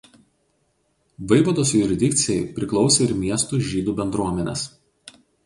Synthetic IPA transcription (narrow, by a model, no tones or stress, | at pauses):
ʋɐɪʋɐd̪oːs̬jʊɾʲɪd̪ʲɪkʲt̪sʲɪjɛɪpʲɾʲɪklˠɒʊsʲeɪɾmʲiɛst̪uːʒʲiːd̪uːbʲɛnd̪ɾuɔmʲɛnʲɛ̰s